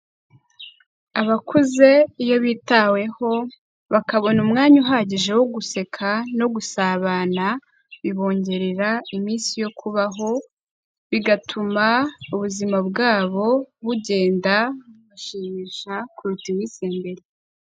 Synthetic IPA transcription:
aβakʰuze̞ijoβitawe̞ho̞ | βakaβo̞numŋaːɲuɦaɟiʒe̞woɡuse̞kʰano̞ɡusaːβaːna | βiβo̞ːɲɟe̞ɾeɾaimiːnsijo̞kʰuβaɦo̞ | βiɡatʰumauβuzimabɡaːβo̞βuɟe̞ːndauɡaʃiːmiːʃakuɾutiwiːseːmbe̞ɾi

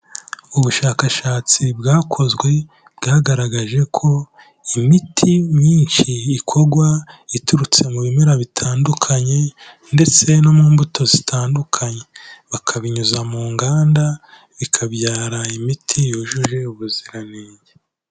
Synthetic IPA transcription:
uβuʃaːkaʃaːt͡sibɡaːkʰo̞zɡwe̞ | bɡaːɡaɾaɡaʒe̞kʰo̞ | imitʰiɲiːnʃiːkʰo̞ɡwaituɾut͡se̞muβimeɾaβitʰaːndukʰaɲe̞ | nde̞t͡se̞no̞muːmbuto̞zitʰaːndukʰaɲe̞βakʰaβiɲuzamuːŋɡaːnda | βikʰabɟaːɾaimitʰijoʒuʒe̞uβuziɾaneːɲɟe

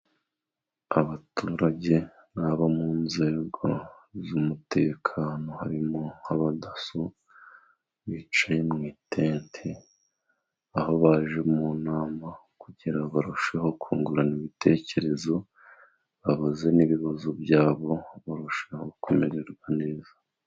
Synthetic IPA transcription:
aβatuɾaɟe̞ | βaβamuːnze̞ːɡo̞ | zumutʰe̞kʰaːno̞haɾimohaβadaso | βit͡ʃajemŋiːtʰe̞ːntʰe | aho̞βaʒe̞munaːma | kuɟiɾaβaɾuʃe̞ho̞kʰuːŋɡuɾaniβitʰe̞ce̞ɾe̞zo̞ | βaβaze̞niβiβazobjaːβo̞βaɾuʃeho̞komeɾeɾɡwane̞ːzḁ

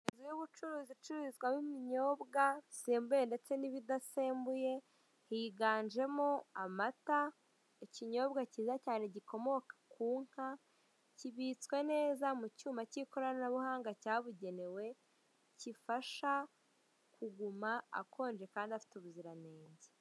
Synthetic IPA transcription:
enzujuβut͡ʃuɾuːzit͡ʃuɾizɡwamimiɲo̞ːbɡaiseːmbujende̞t͡se̞niβidaseːmbuje̞ | hiɡaːnd͡ʒe̞moamata | eciɲo̞ːβɡaciːzacaːneɟiko̞mo̞kḁkʰuːŋ̥ha | ciβiːt͡swe̞ne̞ːzamucuːmacikoɾananaβuhaːŋɡacaːβuɟe̞ne̞we̞ | cifaʃa | kʰuɡumaa̰kʰo̞ːnd͡ʒe̞kaːndiafi̥tuβuziɾaneːɲɟe

